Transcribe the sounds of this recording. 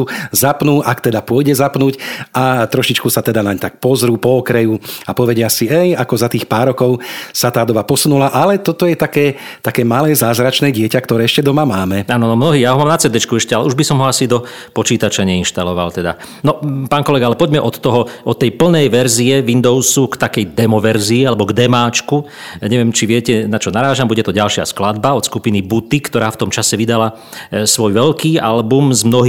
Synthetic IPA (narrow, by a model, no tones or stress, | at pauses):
uzapnuːʔakt̪ɛd̪apʊɔjɟɛzapnuːcʔat̪ɾɔʃit͡ʃkusat̪ɛd̪anaɲt̪ak̚pɔzɾuːpɔːkɾɛjuapɔʋɛɟɛasiɛjakɔzat̪iːxpaːɾːɔkɔʊsat̪aːd̪ɔbapɔsunulaʔalɛt̪ɔt̪ɔjɛt̪akɛː | t̪akɛːmalɛːzaːzɾat͡ʃnɛːɟɪɛcakt̪ɔɾɛːɛʃcɛd̪ɔmamaːmɛaːnɔnɔmnɔɦiːjaːɦɔmaːmnat͡sɛd̪ɛt͡ʃkuɛʃcɛalɛuʒbisɔmɦɔasid̪ɔ | pɔt͡ʃiːt̪at͡ʃaɲɛinʃt̪alɔʋa̰lt̪ɛd̪a̰ | nɔpaːnkɔlɛɡaalɛpɔɟmɛʔɔt̪ːɔɦɔʔɔt̪ːɛjpl̩nɛjʋɛɾziɛʋind̪ɔʊsukt̪akɛjd̪ɛmɔʋɛɾziːalɛbɔɡd̪ɛmaːt͡ʃku | ɲɛʋɪɛmt͡ʃiʋɪɛcɛnat͡ʃɔnaɾaːʒambuɟɛt̪ɔɟalʃɪa̰sklad̪̚baɔt̪skupinibut̪ikt̪ɔɾaːft̪ɔmt͡ʃasɛʋid̪ala | sʋɔjʋɛlkiːa̰lbumzmnɔɦ